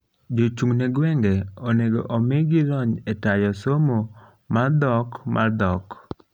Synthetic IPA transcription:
d͡ʒot͡ʃuŋneɡwɛŋɡɛɔneɡo̰ʔomeɡɪlɔɲetajɔsomo | mard̪ɔkmʔard̪ɔk

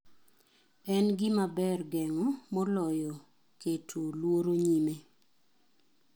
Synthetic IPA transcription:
ɛnɡɪmabɛrɡɛŋɔmɔlɔjɔ | ketʰolwoɾoɲime

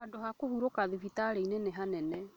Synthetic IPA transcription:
adohakohuɾokaðiβitaɾeineneɦanɛnɛ

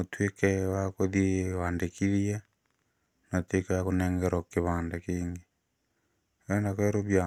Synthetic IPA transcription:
otwekɛwakoðiewaːndekiɾiɛ | natwekɛjakonɛŋɡɛɾɔkeβandakiːŋɡe | ɛnakɛɾoβja

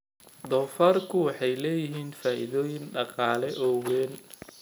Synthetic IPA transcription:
d̪ɔːfaːrkʰʊwɑħɑjlɛːjɪɦiːnfaːʔɪðɔːjɪnɖɑqɑːlɛʔɔːwɛːn

